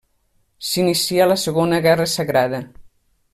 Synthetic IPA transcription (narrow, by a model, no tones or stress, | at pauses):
sinisialəsəɣonəɣɛrəsaɣɾaðə